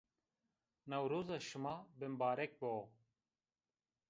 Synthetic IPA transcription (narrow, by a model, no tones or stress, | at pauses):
nɐwɾuːzɐʃumaːbɪmbaːɾek̚bo